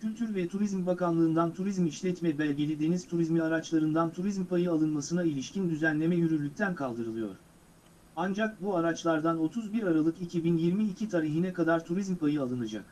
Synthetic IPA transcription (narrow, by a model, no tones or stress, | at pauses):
cʰylʲt̪ʰyɾvɛt̪ʰuɾizmbakanlˠɯːnd̪ant̪ʰuɾizmiʃlʲɛt̪mɛbælʲɟe̞lʲid̪e̞niz̥t̪ʰuɾizmiaɾat͡ʃlˠaɾɯnd̪ant̪ʰuɾizmpʰajɯalˠɯnmasɯnailʲiʃcind̪yzænlʲe̞mɛjyɾylʲyc̚ʲt̪ʰænkʰalˠd̪ɯɾɯlˠɯjo̞̰ɾ̥ | and͡ʒak̚buaɾat͡ʃlˠaɾd̪ano̞t̪ʰuzbiɾaɾalˠɯkicʰibinjiɾmiːcʰit̪ʰaɾiɦinɛkad̪aɾt̪ʰuɾizmpʰajɯalˠɯnad͡ʒa̰k̚